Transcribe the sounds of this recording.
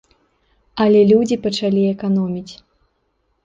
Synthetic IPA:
ɐlʲɛlʲud͡zʲipɐt͡ʂalʲiɛkanɔmʲit͡sʲ

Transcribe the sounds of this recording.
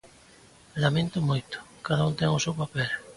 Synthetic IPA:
lamẽnt̪ʊmojt̪ʊ̥kaðaunt̪ɛŋʊsewpapɛl

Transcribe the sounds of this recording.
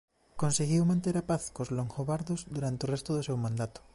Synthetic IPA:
konseɣiwmãnt̪eɾapaθkozloŋxoβaɾðozd̪uɾant̪eorest̪oðosewmãnd̪at̪o̥

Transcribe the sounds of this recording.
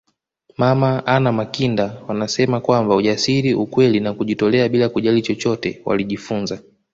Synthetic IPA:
mamaanamakindawanasɛmakwambauʄasiɾiukwɛlinakuʄitɔlɛaɓilakuʄalit͡ʃɔt͡ʃɔtɛ̰wa̰liʄifunza

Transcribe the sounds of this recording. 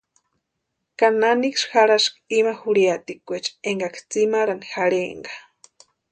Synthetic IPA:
kananikʂxaɾaʂkimaxuɽiat̪ikʷet͡ʃeŋɡakʰt͡simaɾanixaɾḛŋɡḁ

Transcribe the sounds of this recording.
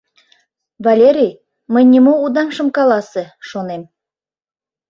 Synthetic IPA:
vɑlʲeɾʲij | məjnʲimoud̪ɑmʃə̆mkɑlɑsĕʃonem

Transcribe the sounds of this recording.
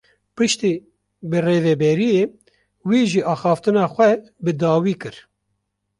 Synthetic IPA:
pɨʃt̪iː | bɨreːvɛbɛɾijeː | wiːʒiʔɑːxɑːft̪ɨnɑːxʷɛ | bɨd̪ɑːwiːkɨɾ

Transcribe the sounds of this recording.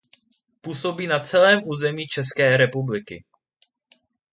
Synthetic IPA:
puːso̞biːnat͡sɛlɛːmʔuːzɛmiːt͡ʃɛs̬kɛːɾɛpublɪkɪ̰

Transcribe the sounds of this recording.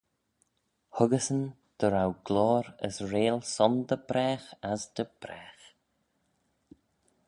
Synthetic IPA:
hʊɡəsən | d̪̥əɾawɡ̥lɔːɾə̰sɹeːlˠsɔnd̪əbɾɛːxazd̪əb̥ɾɛːx

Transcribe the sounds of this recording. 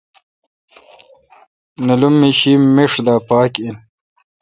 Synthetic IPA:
nɐlumːiɕimmːeʂd̪aːpaːkin

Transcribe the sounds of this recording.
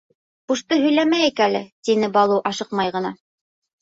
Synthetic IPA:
buʃt̪ɤɦɵ̆jlæmæjɘkælɘ̰t̪inɘbɑlˠɤwʔɑʃɤq̚mɑjʁɤ̆nɑ

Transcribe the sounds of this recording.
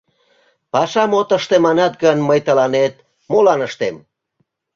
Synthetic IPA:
pɑʃɑmot̪əʃt̪emɑnɑt̪̚ɡənməjt̪əlɑnet̪ | molɑnəʃt̪em

